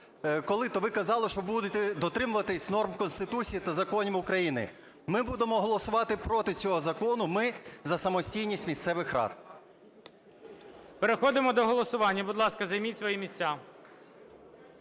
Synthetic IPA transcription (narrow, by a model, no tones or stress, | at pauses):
kɔlˠɪt̪ɔʋɪkɐzɑlˠɪʃt͡ʃɔbud̪et̪ɛd̪ɔt̪ɾɪmʊʋɐt̪ɪsʲnɔrmkɔnst̪ɪt̪ut͡sʲijit̪ɐzɐkɔnʲimʊkɾɐjinɪ̰ | mɪbud̪emɔɦɔlˠɔsʊʋɑt̪ɪpɾɔt̪ɪt͡sʲɔɦɔzɐkɔnʊmɪzɐsɐmɔsʲtʲijnʲisʲtʲmʲist̪sɛʋɪxɾɑ̰t̪̚ | peɾexɔd̪ɪmɔd̪ɔɦɔlˠɔsʊʋɑnʲːɐbʊd̪lˠɑskɐzɐjmʲitʲsʲʋɔjimʲisʲt͡sʲa